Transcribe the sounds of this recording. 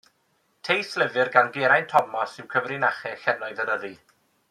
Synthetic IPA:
tʰejslɪvɨrɡanɡeɾajntʰɔmɔsɪwkʰəvrɪnaχɛɬɛnɔɨðəɾəɾi

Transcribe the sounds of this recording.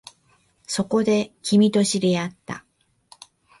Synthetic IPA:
so̞ko̞d̪e̞kʲimʲit̪o̞ɕiɾe̞at̪ːa̰

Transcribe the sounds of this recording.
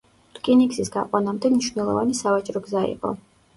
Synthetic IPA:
t̪ʼkʼiniksisɡa̰qʼwanamd̪ɛmniʃvnɛlˠɔ̰vanisavat͡ʃʼɾɔɡzaḭqʼɔ̰

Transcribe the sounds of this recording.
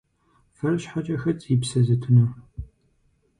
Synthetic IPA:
fɐrɕħat͡ʃʼɐxɐt͡sʼipsɐzɨtʰɨnɨ

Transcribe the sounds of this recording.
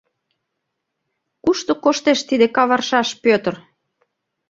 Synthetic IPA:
kuʃt̪okoʃt̪eʃt̪id̪ekɑβɑrʃɑʃpøt̪ə̆r

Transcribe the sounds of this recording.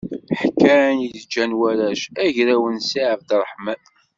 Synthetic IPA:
ħkːænjəðd͡ʒːænwæɾæʃæʝɾæwənsiʕəfd̪rˤəħmæ

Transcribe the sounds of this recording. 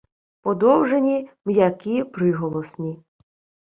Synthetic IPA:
pɔd̪ɔwʐenʲimjakʲipɾɪɦɔlˠɔsnʲi

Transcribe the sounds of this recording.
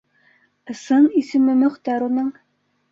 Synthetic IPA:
ɤ̆sɤnisɘ̆mɘmɵ̆χt̪æɾunɤɴ

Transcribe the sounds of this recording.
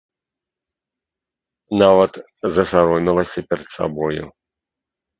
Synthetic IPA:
navɐt̪ | zɐsaɾɔmʲilˠɐsʲɐpʲɛɾɛt̪sa̰bɔjṵ

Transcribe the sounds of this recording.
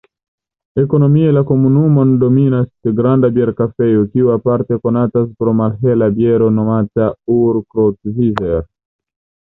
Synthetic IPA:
eko̞no̞mielakomunumondominaskeɡɾandabjeɾkafejokiuapaɾt̪e̞ko̞nataspɾomalɦelabjeɾo̞nomatauɾkɾot̪vizeɾ

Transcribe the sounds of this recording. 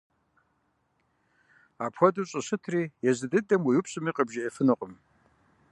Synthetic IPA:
apʰxʷɔduɕʼɐɕɨtʰriːjɛzɨdɨdɐmwijupʰɕʼɨmiqʼəbʒɪːfɨnoqʼəm

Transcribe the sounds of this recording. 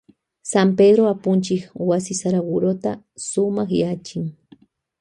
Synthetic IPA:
sampedɾoapʊnt͡ʃɪkwasɪsaɾaɡʊɾot̪a | sʊmaχjat͡ʃɪŋ

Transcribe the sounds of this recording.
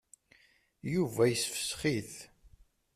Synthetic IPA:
juvæjəsfə̥sχiθ

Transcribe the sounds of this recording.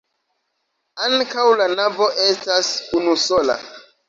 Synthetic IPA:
aŋkawlanavo̞ʔe̞stasunusola̰

